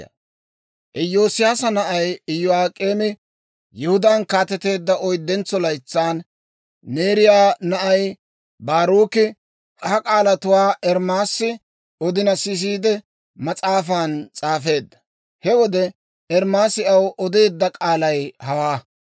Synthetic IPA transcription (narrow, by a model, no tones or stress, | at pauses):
ʔɪjo̞ːsɪjaːsɐnɐʔɐjɪjːʊaːkʼeːmɪ | jɛhʊd̪ankaːt̪ɛt̪e̞ːd̪ːɐɔjd̪ːɛnt͡sːɔlɐjt͡sːaːnː | e̞ːɾɪjaːnɐʔɐj | baːɾuːkɪ | hɐkʼaːlɐt̪ʊwaːʔɛɾmaːsːɪ | ɔd̪ɪnɐsɪs̬iːd̪ɛ | mɐt͡sʼaːfaːnt͡sʼaːfe̞ːd̪ːɐ̥ | hɛwɔd̪ɛ | ɛɾmaːsɪɐwʔɔd̪e̞ːd̪ːɐkʼaːlɐjhɐwaː